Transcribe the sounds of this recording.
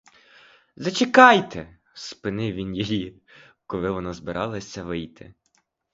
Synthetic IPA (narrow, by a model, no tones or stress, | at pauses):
zɐt͡ʃekɑjt̪e | spɪnɪwʋʲinjɔjikɔlˠɪʋɔnɔzbɪɾʔɑlˠɐsʲɐʋɪjt̪ɪ̰